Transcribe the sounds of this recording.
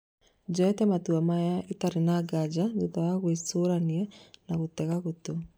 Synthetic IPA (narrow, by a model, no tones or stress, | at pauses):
d͡ʒɔɛtɛmatuamajaʔitaɾinaɡad͡ʒaðutawaɣwesoɾanianaɣutɛɣaɣuto